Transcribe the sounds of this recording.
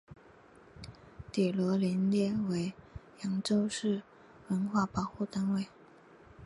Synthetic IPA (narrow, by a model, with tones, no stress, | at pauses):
t̪i˨˩lwɔ˧˥li˧˥nljɛ˥˩we˧˥ɪjɑ˧˥ŋʈ͡ʂo˥ʊʂɻ̩˥˩ | wə˧˥nxwa˥˩pɑ˨˩ʊxu˥˩t̪a˥nwe˥˩ɪ